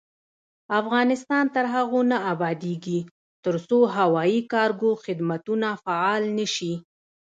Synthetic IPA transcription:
afɣɑnɪst̪ɑnt̪əɾɦaɣonaabɑd̪eɡi | t̪əɾsoɦawɑjikɑɾɡoxɪd̪mat̪unafaɑlnəʃi

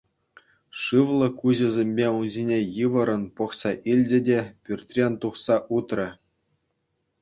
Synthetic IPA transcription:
ʂɯʋlˠɤ̆kuʑɘ̆zʲemʲbʲeunʑʲinʲejɯʋɤ̆ɾɤ̆npɤ̆χsɑʔilʲd͡ʑɘ̆dʲepʲyrʲt̪ʲrʲenʲt̪uχsɑʔut̪rʲɘ̆

